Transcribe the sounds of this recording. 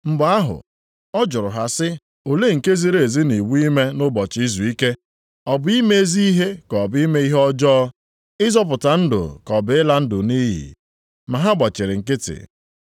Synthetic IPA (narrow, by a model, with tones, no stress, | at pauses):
m̩˦ɡ͡ba˦ɦʊ̰˨ | ɔ˦d͡ʒʊ˨ɾʊ˨ɦa˨sɪ˦ | o˨le˦ŋ̩˨ke˦zi˦ɾe˨e˨zi˦ni˨wu˦i˦me˦nʊ˦bɔ˨t͡ʃi˦zu˨i˦ke˦ | ɔ˨bʊ˦i˦me˦e˦zi˦i˦ɦe˦kɔ˨bi˦me˦i˦ɦɔ˦d͡ʒɔː˦ | ɪ˦zɔ˦p̬ʊ˨ta˨n̩˦dʊ̰˨kɔ˨bɪ˨ɪ˦la˦n̩˦dʊ˨ni˦ɦḭ˨ | ma˨ɦa˦ɡ͡bɔ˨t͡ʃɪ˨ɾɪ˨ŋ̩˨kɪ˦tɪ̰˨